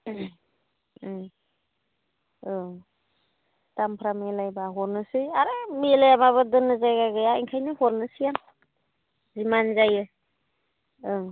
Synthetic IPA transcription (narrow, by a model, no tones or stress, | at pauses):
ɯ | tampʰɾamelajbaɦɔɾnɯsɯjaɾemelajamaβɯdɯnɯzajɡaɡɯjaiŋkʰajnɯhɔɾnɯsɯjaŋ | zimanzajɯ | ɯ